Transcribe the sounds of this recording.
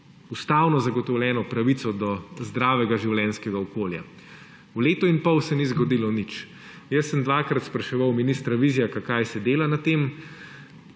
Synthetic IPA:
ust̪aːwnɔzaɡɔt̪ɔwlʲjɛːnɔpɾaʋit̪sɔd̪ɔzd̪ɾaːʋɛɡaʒiwlʲjɛnskɛɡaɔkoːlja̰ | wleːt̪ɔinpɔwsɛnizɡɔd̪ilɔnit͡ʃ | jəsːəmd̪ʋaːkɾat̪spɾɐʃɛʋawminist̪ɾaʋiːzijakakajsɛd̪eːlanat̪eːm

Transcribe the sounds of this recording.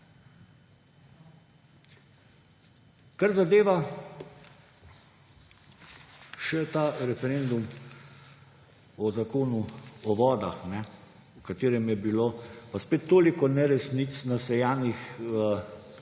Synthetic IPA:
kaɾzad̪eːʋa | ʃɛt̪aɾɛfɛɾeːnd̪um | ɔzakoːnuɔʋɔːd̪a̰xnɛ | ukat̪eːɾɛmjɛbiloːpaspeːt̪ːoːlikɔnɛɾɛsnit̪snasɛjaːnix

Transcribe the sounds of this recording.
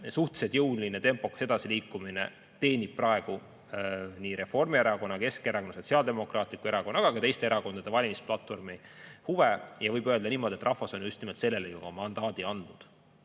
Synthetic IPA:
suht̪sed̪̥jɤwlinet̪e̞mpo̞kse̞d̪ɑsiliːkːˑuminḛ | t̪e̞ːnib̥̚pːrɑe̞ɡ̥u | niːɾe̞fo̞rmieɾɑko̞nːɑke̞skeɾɑkonːɑso̞t̪siɑld̪e̞mo̞krɑːt̪ˑlikue̞ɾɑko̞nːɑɡ̥ɑkɑt̪e̞jst̪eeɾɑko̞nd̪ɑd̪e̞vɑlʲimisplɑt̪ːfo̞rmihuvejɑvɤjbø̞ːld̪ɑniːmo̞d̪ʲiet̪rʔɑhvɑso̞njust̪nimelt̪se̞lːe̞lejuɡɑmɑnd̪̥ɑːd̪̥iɑnd̪̥nud̪̥

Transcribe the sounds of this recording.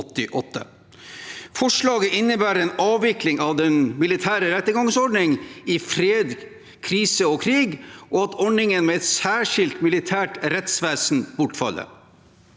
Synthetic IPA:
t̪ːɪʔɔt̪ːə̰ | fɔʂɭɑːɡəʔɪnːəbæːɾɛːnɑːʋʋɪklɪŋɑʋd̪ɛnmɪlɪt̪ʰæːɾəɾɛt̪ːəɡɑŋsɔɖnɪŋɪfɾeːd̪ | kʰɾiːsəɔkʰɾiːɡʔɔɑt̪ɔɳɪŋənmɛɛt̪sæːʂɪlt̪mɪlɪt̪ʰæːʈɾɛt̪sʋæːsnbʊʈfɑ̰lːə̰ɾ

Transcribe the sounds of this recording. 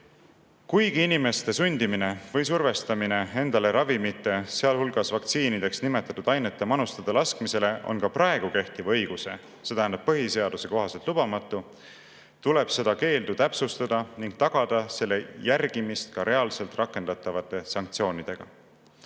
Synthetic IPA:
kujɡ̥iinime̞st̪e̞sunʲd̪̥imine̞vɤjsurve̞st̪ɑmine̞e̞nd̪̥ɑle̞ɾɑvimit̪ːˑe̞seɑlhulɡ̥ɑsvɑkt̪siːnid̪e̞ksnime̞t̪ːˑɑt̪ud̪̥ɑjne̞t̪ːˑemɑnust̪ɑd̪̥ɑlɑskmise̞le̞ʔo̞̰nkɑprɑe̞ɡ̥uke̞ht̪ivɤ̞jɡ̥use̞̰ | se̞t̪æhænd̪ɑb̥̚pːɤɦise̞ɑd̪use̞ko̞ɦɑselt̪lub̥ɑmɑt̪ːˑu | t̪ule̞b̥se̞d̪ɑke̞ːld̪ut̪æpsust̪ɑd̪̥ɑniŋɡ̥̚t̪ɑɡ̥ɑd̪̥ɑse̞lːe̞jærɡ̥imist̪̚kɑɾe̞ɑlse̞lt̪rʔɑkˑːe̞nd̪̥ɑt̪ːˑɑvɑt̪ːˑe̞sɑŋk̚t̪sio̞ːnʲid̪̥e̞ɡ̥ɑ̰

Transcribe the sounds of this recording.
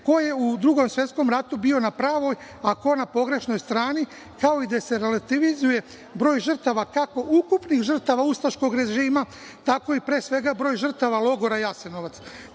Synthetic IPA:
ko̞je̞ud̪ɾuɡo̞msʋje̞t̪sko̞mɾat̪ubio̞napɾaːʋo̞jako̞napo̞ɡɾe̞ʃno̞jst̪ɾaːni | kao̞id̪ase̞ɾe̞lat̪iʋizuje̞ | bɾo̞ːjʒr̩t̪aʋakako̞ʔukupnixʒər̩t̪aʋaust̪aʃko̞ɡɾe̞ʒiːma | t̪ako̞ipɾe̞ːsʋe̞ɡabɾo̞ːjʒər̩t̪aʋalˠo̞ɡo̞ɾajaseno̞ʋat̪s

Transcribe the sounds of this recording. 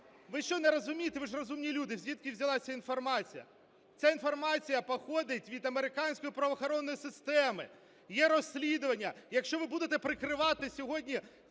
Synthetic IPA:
ʋɪʃt͡ʃɔnɛɾɔzʊmʲijt̪eʋɪʐrɔzumnʲilʲud̪ɪwzʲʋʲit̪kʲɪwzʲɐlˠɑsʲɐinfɔrmɑt͡sʲijɐ̰ | t͡sʲainfɔrmɑt͡sʲijɐpɔxɔd̪ɪtʲʋʲid̪ɐmeɾɪkɑnʲsʲkɔjipɾɐʋɐxɔɾɔnːɔjisɪst̪ɛmɪ | jɛɾɔsʲːlʲid̪ʊʋɐnʲːɐjɐkʃt͡ʃɔʋɪbud̪et̪ɛpɾɪkɾɪʋɑt̪ɪsʲɔɦɔdʲnʲi

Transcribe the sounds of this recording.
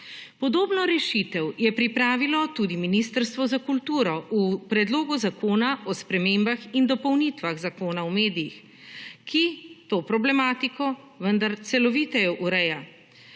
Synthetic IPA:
pɔd̪oːbnɔɾɛʃit̪ɛwjɛpɾipɾaːʋilɔt̪ud̪iminist̪əɾst̪ʋɔzakult̪uːɾɔʔupɾɛd̪loːɡuzakoːnaʔɔspɾɛmeːmbaxind̪ɔpɔwnit̪ʋaɣzakoːnawmeːd̪ijix | kʰit̪oːpɾɔblɛmaːt̪ikɔ | ʋənd̪aɾt̪sɛlɔʋiːt̪ɛjɔʔuɾɛja

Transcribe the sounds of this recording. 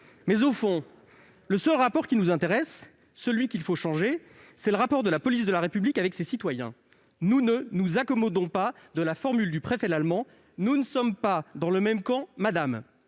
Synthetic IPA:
mɛzofɔ̃ | ləsœlʁapɔʁkʲinuzɛ̃t̪eʁɛsː | əlɥikʲilfoʃɑ̃ʒe | sɛləʁapɔʁd̪əlapɔlis̬d̪əlaʁepyblikavɛksesit̪wajɛ̰̃ | nunənuzakɔmɔd̪ɔ̃pad̪əlafɔʁmyld̪ypχefɛd̪lalmɑ̃ | nunəsɔmpad̪ɑ̃ləmɛmkɑ̃mad̪am

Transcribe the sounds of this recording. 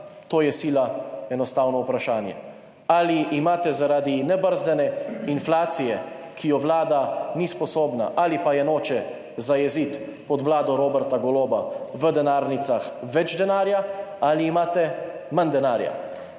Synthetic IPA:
t̪oːjɛsiːlaɛnɔst̪aːwnɔupɾaʃaːnjɛ̰ | aliʔːmaːt̪ɛzaɾad̪inɛbəɾzd̪ɛnɛinflaːt̪sijɛ | kʰijɔʋlaːd̪anispɔsoːbna̰ʔalipajɛnoːt͡ʃɛ | zajɛzit̪ | pɔd̪ʋlaːd̪ɔɾoːbɛɾt̪aɡɔloːbaʋəd̪ɛnaːɾnit̪saxʋɛd͡ʒd̪ɛnaːɾjaaliːmaːt̪ɛ | mand̪ɛnaːɾja̰

